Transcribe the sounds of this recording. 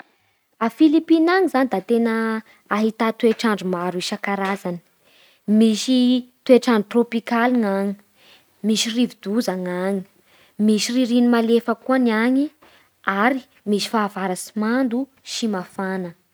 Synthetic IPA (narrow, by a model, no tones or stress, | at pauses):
afilipinaŋizanid̪at̪enəː | ɦit̪at̪ueʈ͡ʂaɳɖ͡ʐumaɾiʃakaɾazanə̥ | miʃit̪ueʈ͡ʂaɳɖ͡ʐut̪ropikaliŋaɲi̥ | miʃirivid̪uzaŋaɲi | miʃiriɾinimalefəkuanaɲi | aɾi | misi̥faːvaɾasimand̪u | ʃimafanə